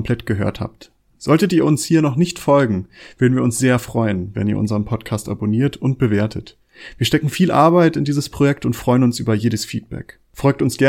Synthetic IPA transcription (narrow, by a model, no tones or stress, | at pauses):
mpʰl̥ɛtɡ̥əɦø̰ːɐtha̰ːp̚t | z̥ɔltətiːɐʊnshiːɐnɔχnɪçtfɔlɡŋ̩v̥øɐdn̩viːɐʊnsz̥eːɐfʁ̥ɔʏənvɛ̰nḭːɐʔʊ̰nzəʁənpʰɔtkʰaːstʔa̰boniːɐtʰʊntb̥əveːɐtʰət | v̥iːɐʃtɛkŋ̩fiːlʔa̰ɐbaɪtɪndiːzəspʁ̥ojɛktʊntfʁ̥ɔʏənʊnsʔyːbɐjeːɾəsfiːt̚b̥ɛ̰k | fʁɔlk̚tʊnsɡ̥ɛ